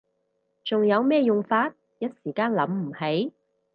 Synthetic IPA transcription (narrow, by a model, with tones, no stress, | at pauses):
t͡sʊ˨ŋjɐ˨˧wmɛː˥˧jʊ˨ŋfaː˧t̚ | jɐ˥t̚siː˨˩kaː˥nlɐ˨˥mm̩˨˩he˨˥j